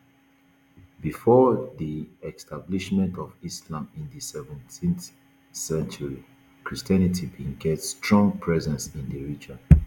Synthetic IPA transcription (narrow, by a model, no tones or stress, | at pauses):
bifɔðiɛkstʰabliʃmɛ̃ntɔvislãmĩndəsɛvɛ̃ntʰĩnθ | sɛ̃nt͡ʃuɹi | kɹistɛnitʰibĩŋɡɛtstɹɔ̃ŋpʰɹɛzɛ̃nsĩndəɹid͡ʒɔ̃n